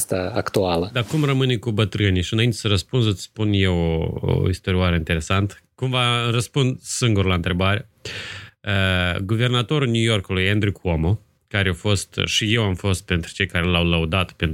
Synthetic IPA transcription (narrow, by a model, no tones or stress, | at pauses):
st̪aakt̪ualəd̪akumrəmɨnʲkubət̪ɾɨnijʃiɨnaint̪e̞̥səɾəspunsət̪spunje̞woo̰ist̪o̞ɾiaɾəint̪e̞ɾe̞sant̪kumvarəspund̪sɨŋɡuɾlaɨnt̪ɾe̞baɾe | əɡuve̞rnat̪o̞ɾulnʲujo̞rkulujend̪ɾikʰomo | kaɾeafo̞st̪ʃije̞wamfo̞st̪̚pe̞nt̪ɾu̥t͡ʃe̞jkaɾe̞lawləud̪at̪pen